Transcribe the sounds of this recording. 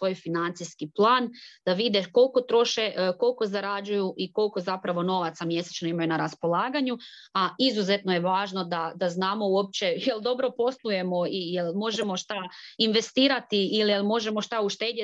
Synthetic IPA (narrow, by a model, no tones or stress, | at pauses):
ʋo̞ːjfinant̪siskiplˠaːnd̪̥aʋid̪eko̞lˠko̞t̪ɾo̞ʃeko̞lko̞zaɾad͡ʒujuʔiko̞lko̞zapɾaʋo̞no̞ʋat̪samje̞set͡ʃnoimajunaɾaspo̞lˠaːɡaɲu | aizuzet̪nojeʋaːʒno̞d̪ad̪aznaːmo̞uo̞p̚t͡ɕe̞jeld̪o̞bɾo̞po̞slˠuje̞mo̞ijelmo̞ʒe̞mo̞ʃt̪ainʋe̞st̪iːɾat̪iilijelmo̞ʒe̞mo̞ʃt̪auʃt̪e̞ːd̪e